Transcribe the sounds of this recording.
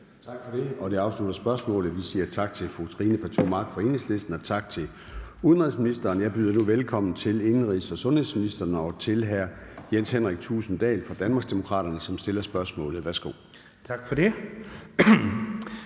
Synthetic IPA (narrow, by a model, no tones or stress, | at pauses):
t͡sʰɑ̈ɡ̥fɒ̽ɾe̝ɒ̽d̥eɑ̈ʊslud̥ɐsb̥ɶɐsmɔ̰̽ːlð̩ˠʋilsiːət͡sʰɑ̈ɡ̥̚t͡sʰe̝lfʁut͡sʰʁiːnəfʰæt͡sʰuɐmɑ̈ɡ̥fɒ̽e̝̰ne̝ŋsle̝sd̥n̩ɒ̽t͡sʰɑ̈ɡ̥̚t͡sʰe̝ | uðˠnʁiðˠsminisd̥ɐːnjɑ̈ɪb̥yðˠɐnuʋelkʰɒ̽m̰n̩t͡sʰe̝le̝nn̩ʁisɒ̽sɔ̽nhe̝sminisd̥ɐnəɒ̽t͡sʰe̝lɦæɐ̰jenshenʁɛɡ̥̚t͡sʰuːsn̩d̥ɛ̰ːlfʁɑ̈d̥ænmɑ̈ːɡsd̥emo̝kʰʁɑ̰̈ːɾ̥ɐnəsɒ̽msd̥e̝lɐsb̥ɶɐsmɔ̰̽ːlð̩ˠʋæɐsɡ̥o̝̰ː | t͡sʰɑ̈ɡ̥fɒd̥e